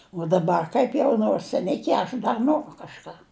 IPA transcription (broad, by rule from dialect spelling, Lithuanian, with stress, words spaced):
uɔ dɐˈbɐr kɐɪp ˈjɛʊ noːrs sʲɛˈnʲɪkʲɪ ɐʃ ˈdɐr ˈnoːrʊ kɐʃˈkɑː